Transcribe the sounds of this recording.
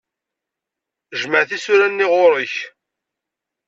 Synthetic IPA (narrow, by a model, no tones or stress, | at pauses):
ʒməʕθisʊɾænːɪʁʊɾəç